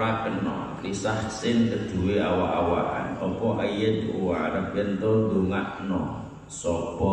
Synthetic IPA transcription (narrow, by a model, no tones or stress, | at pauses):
akənɔ̰ | lisahsɪnkəd̪̥ṳweawaʔawa̰ʔa̰nɔpɔʔəjət̪uwaɾəpent̪ʊd̪uŋaʔnɔ | sɔpɔ